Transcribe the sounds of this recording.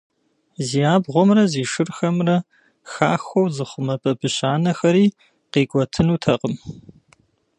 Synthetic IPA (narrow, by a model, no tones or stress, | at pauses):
ziːjaːbʁʷɔmrɐziːʂɨrxɐmrɐ | xaːxʷɔwzɨχʷʊmɐpʼɐbɨɕaːnɐxɐɾiː | qiːkʷʼɔtʰɨnuːtʰɐqəm